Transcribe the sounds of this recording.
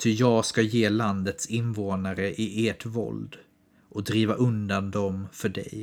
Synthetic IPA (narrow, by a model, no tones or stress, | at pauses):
t̪ʰʏjɑːɡskajeːland̪ət̪sɪnvoːnaɾəʔɪʔeːʈvɔ̰ld̪ | ʔɔd̪ɾiːvaʔɵnd̪and̪ɔmfœɖɛ̰j